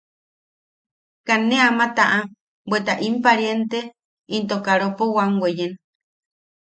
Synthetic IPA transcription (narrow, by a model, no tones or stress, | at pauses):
kanẽamat̪aʔa | bwet̪aʔimpaɾjent̪e | int̪okaɾopowaŋɡʷwejen